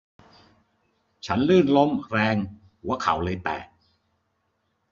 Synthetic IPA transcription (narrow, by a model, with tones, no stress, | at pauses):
t͡ɕʰa˦˥nlɯː˥˩nlo˦˥mɾɛː˧ŋ | hu˩˦ɐkʰa̰˩˦wlɤː˧jp̪ɛ̰ː˨˩k̚